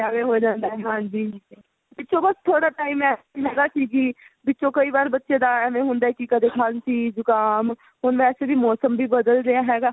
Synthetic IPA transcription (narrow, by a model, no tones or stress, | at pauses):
aːʋeɦoːd͡ʒãːnd̪aːɦɛɦãːd͡ʒiːd͡ʒiː | bɪtːt͡ʃõːbəst̪ʰːoːɽaːʈaːimɛː | ɦɛːɡaːsiːɡiːbɪtːʃõːkəiːbaːɾbətːʃed̪aɛmẽɦʊ̃nd̪aːɛːkikəd̪ekʰaːnsiːd͡ʒʊkaːm | ɦʊnʋɛːsebʱiːmɔːsəmbʱiːbəd̪əlɾejaɦɛːɡaː